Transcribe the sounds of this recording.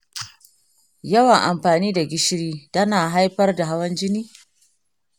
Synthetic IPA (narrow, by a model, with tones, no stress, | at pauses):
jɐ˦wɐ˨ŋʔa˨mɸaː˨niː˦da˨ɡʲɪ˦ʃɽiː˦tɐ˦naː˨ɦa˦jɸɐ˦rda˨ɦa˦wɐ˦nd͡ʒɪ˦niː˦